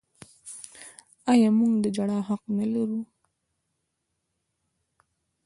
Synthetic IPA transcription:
ɑjɑmuŋɡd̪əd͡ʒaɽɑɦaqnəlaɾu

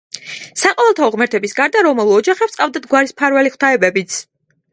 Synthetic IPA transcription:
saqʼɔvɛlˠt̪ʰaɔʁmɛɾt̪ʰɛbisɡaɾd̪aɾɔmɛlˠɔd͡ʒaχɛpsʼqʼavd̪ad̪ɡwaɾispʰaɾvɛliχwt̪ʰaɛbɛbit̪sʰ

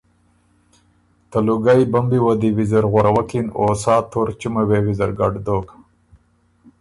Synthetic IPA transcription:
t̪ɐluɡajbɐmbiwɐd̪iwizɐɾɣɐɾɐwɐkinoːsaːt̪ʰoɾt͡ʃimɐweːwizɐɾɡɐɖd̪oːk

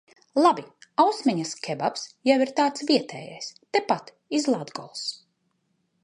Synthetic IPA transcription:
lˠabiawsmʲɛɲaskʲʰɛbapsjawiɾt̪aːt̪sviɛt̪ɛ̰ːja̰jst̪ɛpat̪ | izlˠad̪ɡɔ̰lˠs

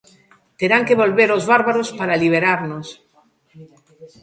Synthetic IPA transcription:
t̪eɾaŋkeβo̞lβeɾo̞zβaɾβaɾospaɾaliβ̞eɾaɾnos

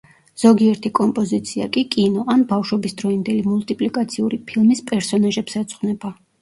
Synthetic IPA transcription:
z̥ɔɡiɛɾt̪ʰikʼɔmpʼɔzit̪sʰia̰kʼikʼinɔʔanbafʃwɔbisd̪ɾɔind̪ɛlimulˠt̪ʼipʼlikʼat̪sʰiuɾipʰilˠmispʼɛɾsɔnaʒɛpsɛt̪sʼχʼwnɛba

